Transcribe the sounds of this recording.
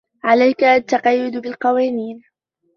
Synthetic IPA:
ʕalajkaʔat̪ːaqɑjːʊd̪bɪlqɑwaːniːn

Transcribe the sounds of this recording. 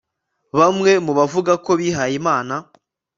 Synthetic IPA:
βamŋe̞muβavuɡako̞βiɦajimaːna

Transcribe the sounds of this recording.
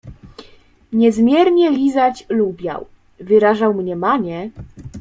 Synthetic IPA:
ɲɛzmʲjɛɾɲɛlʲizat͡ɕlubʲja̰w | vɘɾaʐawmɲɛmaɲɛ

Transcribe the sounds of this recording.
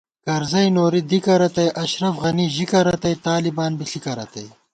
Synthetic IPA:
kɐɾzɐjnoːɾid̪ikɐɾɐt̪ɐjʔɐʃɾɐfɣɐniʑikɐɾɐt̪ɐjt̪aːlibaːnbiɬikɐɾɐt̪ɐj

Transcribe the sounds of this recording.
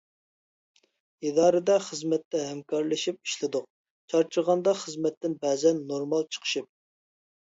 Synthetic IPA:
id̪ɑːɾɨd̪ɛχəzmɛt̪ːɛɦɛmkʰɑɾlˠɪʃip̚i̥ʃlɪd̪ʊq̚ | t͡ʃʰɑɾt͡ʃʰəɾʁɑnd̪ɑχəzmɛt̪ːɪnbɛzɛnːoɾmɑlˠt͡ʃʰə̥qʰə̥ʃip̚

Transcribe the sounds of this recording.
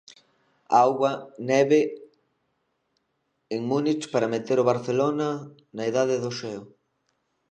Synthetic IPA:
awɣwɐnɛβe | eŋmunit͡ʃpaɾɐmet̪eɾoβaɾθelonɐ | naiðaðeðoʃɛʊ

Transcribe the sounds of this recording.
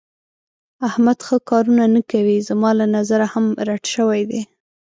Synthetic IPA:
ahmad̪xəkɑɾunanakawizəmɑlanazaɾahamɾaʈʃəwajd̪e

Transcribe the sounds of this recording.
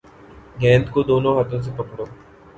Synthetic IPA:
ɡɛ̃ːnt̪kod̪oːnõːɦɐt̪õːs̬epɐkɽoː

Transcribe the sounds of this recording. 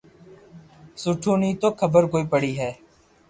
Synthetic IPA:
sʊʈʰũːnĩːt̪oːkʰəbəɾkoːiːpəɽiːɦɛː

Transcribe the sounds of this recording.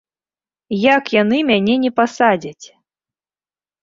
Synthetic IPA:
jakjanɨmʲanʲɛnʲɛpasad͡zʲat͡sʲ

